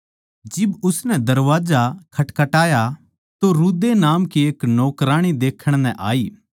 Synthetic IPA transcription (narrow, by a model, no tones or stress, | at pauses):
d͡ʒɪbʊsnɛ̃d̪ɐɾʋaːd͡ʒakʰɐʈkɐʈaːja | t̪oɾuːd̪enaːmkieːknɔːkɾaːɽ̃id̪eːkʰəɽ̃nɛ̰̃ʔa̰ːiː